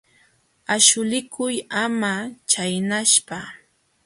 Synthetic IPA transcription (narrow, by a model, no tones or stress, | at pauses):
aʃʊlɪkʰʊjamat͡ʃajnaʃpa